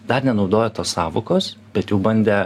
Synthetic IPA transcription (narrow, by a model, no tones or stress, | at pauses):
d̪ɐrnʲɛnɒʊd̪oːjɛt̪oːssɑːʋokoːsb̥ʲɛt̪juʊbɐnʲd̪ʲɛ